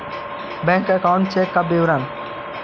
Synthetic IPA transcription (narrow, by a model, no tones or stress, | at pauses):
bɛ̃ːŋkəkaːʊ̃ɳʈt͡ʃʰeːkːabeːʋɾaːn